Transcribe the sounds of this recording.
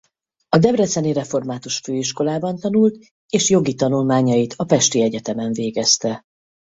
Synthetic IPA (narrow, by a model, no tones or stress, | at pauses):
ɒd̪ɛbrɛt̪sɛniɾɛfo̞rmaːt̪uʃføːiʃko̞laːbɒnt̪ɒnult̪ | eːʃjo̞ɡit̪ɒnulmaːɲɒjit̪ʰɒpɛʃt̪iɛɟɛt̪ɛmɛɱveːɡɛst̪ɛ